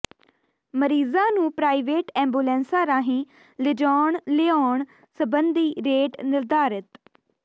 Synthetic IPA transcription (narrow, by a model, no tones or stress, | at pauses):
məɾiːzãːnũːpɾaːiːʋeːʈɛ̃ːmbuːlɛ̃ːnsaːɾaːɦĩː | lɪd͡ʒɔːɳlɪaoːɳ | səbənd̪iːɾeːʈnɪld̪aːɾɪt̪